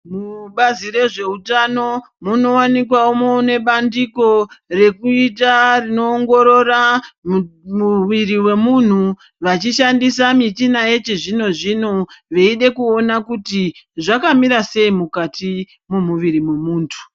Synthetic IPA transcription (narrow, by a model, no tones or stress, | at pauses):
muɓazire̞ʐe̞utano̞ | muno̞wanik̬waomone̞ɓandiko̞re̞kuitarino̞ːŋɡo̞ɾo̞ra | muʋiɾiwe̞mun̤u | ʋat͡ʃiʃandisamitinaje̞t͡ʃeʐino̞ʐino̞ʋeiɗe̞kuo̞nakutiʐakamiɾase̞imukati | mumuʋiɾimwe̞muːntʰu̥